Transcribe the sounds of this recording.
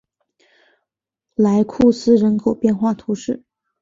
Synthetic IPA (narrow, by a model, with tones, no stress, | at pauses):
la˧˥ɪkʰu˥˩sɹ̩˥ɻə˧˥nkʰo˨˩ʊpjɛ˥˧nxwa˥˩t̪ʰu˧˥ʂɻ̩˥˩